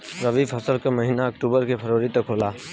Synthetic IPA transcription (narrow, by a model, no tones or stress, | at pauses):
ɾɐʋiːfɐsəlkamɐɦiːnaɐk̚ʈuːbəɾkepʰɐɾʋəɾit̪ɐkʰɦoːlaː